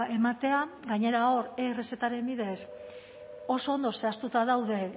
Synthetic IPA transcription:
ʔe̞mat̪e̞aɡaɲe̞ɾaoɾeːre̞se̞t̪aɾe̞mbiðe̞s | o̞so̞ːnd̪o̞se̞ast̪ut̪aðawðe̞

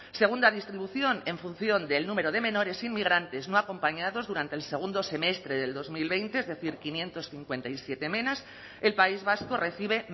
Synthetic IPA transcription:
se̞ɣ̞und̪aðist̪ɾiβuθjo̞ne̞ɱfun̟θjo̞nd̪elnũme̞ɾoð̞e̞mẽ̞no̞ɾe̞sinmiɣ̞ɾant̪e̞znoako̞mpaɲaðo̞zðuɾant̪else̞ɣ̞und̪ose̞me̞st̪ɾe̞ðe̞ld̪ozmilβe̞jnt̪eezðe̞θiɾkinjẽ̞nt̪o̞sθiŋkwe̞nt̪ajsje̞t̪e̞mẽnas | elpaizβasko̞re̞θiβ̞e̞

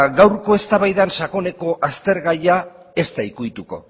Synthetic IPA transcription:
ɡawɾko̞e̞st̪aβajðanʃako̞ne̞ko̞ʔast̪e̞ɾɣaja | e̞st̪aikuit̪uko̞̰

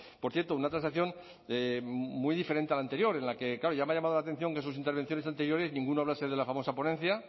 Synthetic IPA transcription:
poɾθjeɾt̪ounat̪ɾansakθjo̞n | emujðifeɾe̞nt̪e̞alant̪e̞ɾjo̞ɾe̞nlake̞klaɾo̞ʝameaʎamað̞olat̪e̞n̟θjo̞ŋkes̬us̬int̪eɾβ̞e̞n̟θjo̞nes̬ant̪e̞ɾjo̞ɾe̞znĩŋɡunoaβlaseðe̞lafamo̞sapo̞nẽ̞nθja

